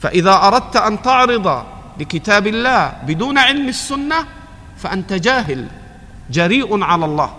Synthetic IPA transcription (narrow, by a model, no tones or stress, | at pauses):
fa̰ʔɪðaːʔɑɾˤɑd̪̚t̪ʔant̪ɑʕɾɨd̪ˤɑ | bɪkɪt̪aːbɪlːaːhbɪd̪uːnʕɪlmɪsːʊnːa | faʔant̪ad͡ʒaːɦɪl | d͡ʒaɾiːʔʕalalˤːɑ̰ːh